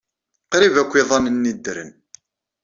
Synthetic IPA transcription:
qɾivækʷːiðˤɑnənːid̪ɾə̰n

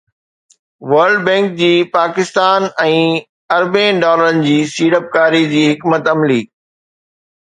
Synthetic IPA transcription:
ʋəɾɖbɛ̃ːŋk̚d͡ʑiːpaːkɪst̪aːnɛ̃ː | ɐɾbẽːɖɔːləɾənɪ̆d͡ʑiːsiːɽəp̚kaːɾid͡ʑiːɦɪkmət̪ɐmliː

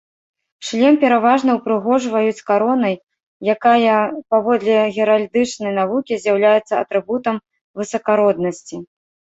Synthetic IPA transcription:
ʂlʲɛmpʲɛɾavaʐnɐwpɾɨɣɔʐvɐjut͡sʲkaɾɔnɐj | jːakajɐpavɔd̪lʲɛɣʲɛɾalʲd̪ɨt͡ʂnɐjnavukʲizʲjawlʲajɛt̪sːɐɐ̰t̪ɾɨbut̪ɐm | vɨsɐkaɾɔd̪̚nɐsʲt͡sʲi

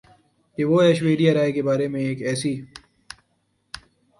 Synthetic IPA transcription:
keʋoɛːʃʋeːɖijaɾaːekebaːɾemẽeːkɛːsiː

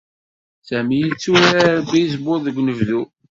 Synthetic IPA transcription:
sæmijit͡sːuɾaɾbːijzbʊɾðəɡʷːnəvðu

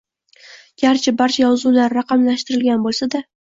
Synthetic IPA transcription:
ɡ̥ʲaɾt͡ʃʰabaɾt͡ʃʰajɒzulaɾːaqʰɑmlaʃt̪ɪɾɪlɡʲanbolˠsad̪a

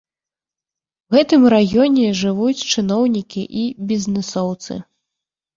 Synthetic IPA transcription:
wɣɛt̪ɨmɾaɣʲjɔnʲɛʐɨvut͡sʲt͡ʂɨnɔwnʲikʲiʔibʲiznɛsɔwt̪sɨ̰

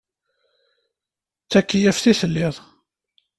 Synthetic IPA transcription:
t͡sːækːijæfθiθəlːɪðˤ

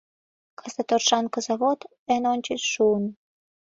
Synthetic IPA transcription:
kʰɑsɑt̪orʃɑnkɤ̆zɑβot̪ | enonʲt͡ɕit͡sʃuən

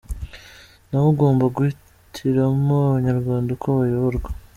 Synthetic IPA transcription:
naβuɡo̞ːmbaɡuhi | tʰiɾamoaβaɲaɾɡwaːndakʰoβajoβoɾɡwḁ

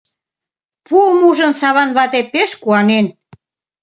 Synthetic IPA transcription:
puəmuʒə̆msɑβɑnβɑt̪epeʃkuɑnen

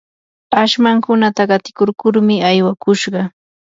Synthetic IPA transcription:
aʃmaŋkʊnat̪aɢɑt̪ɪ̥koɾkʊɾmɪajwakʊʃɢɑ

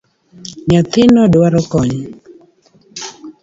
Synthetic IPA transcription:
ɲat̪ɪnɔdwaɾɔkɔɲ

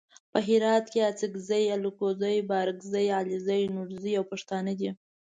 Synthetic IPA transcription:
pəɦɪɾɑt̪keat͡sikzəjalukozəjbɑɾɪkzəjɑlizəjnuɾzəjawpaʂt̪ɑnəd̪i

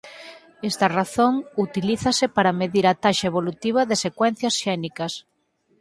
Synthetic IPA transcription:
est̪ɐraθoŋut̪iliθɐsɪpaɾɐmeðiɾat̪aʃaeβolut̪iβ̞ɐðɪsekwɛn̟θjɐsʃɛnikɐs

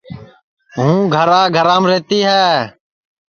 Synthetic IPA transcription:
ɦũːɡʱəɾaːɡʱəɾãːmɾeːt̪iːɦɛː

